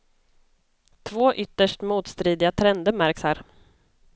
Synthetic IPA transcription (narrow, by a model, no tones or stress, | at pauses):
t̪ʰvoːʔʏt̪ːəʂʈmuːt̪st̪ɾiːd̪ɪat̪ʰɾɛnd̪əɾmæɾkshæːɾ